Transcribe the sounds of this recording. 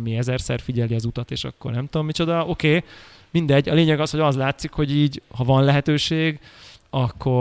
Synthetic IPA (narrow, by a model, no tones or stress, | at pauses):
miɛzɛrsɛ̰rfiɟɛliɒzut̪ɒt̪eːʃɒ̰kːo̞̰rnɛmt̪uomːit͡ʃod̪ɒo̞keː | mind̪ɛɟːɒleːɲɛɡɒsho̞ɟɒzlaːt̪sikho̞ɟiːɟhɒvɒnlɛɦɛt̪øːʃeːɡɒkːo̞